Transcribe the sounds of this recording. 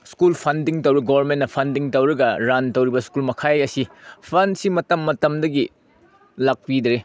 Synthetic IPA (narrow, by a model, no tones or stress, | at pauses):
skulpʰɐndiŋtɐwɾiɡowɐɾmennɐpʰɐndiŋtɐwɾɐɡɐɾantɐwɾibɐskulmɐkʰajɐsipʰɐnsimɐtɐmːɐtɐmdɐɡi | lak̚pid̪ɾe